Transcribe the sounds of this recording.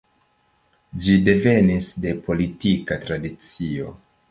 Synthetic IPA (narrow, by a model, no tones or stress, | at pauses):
d͡ʒide̞ve̞nisde̞po̞litikatɾadit͡sio̞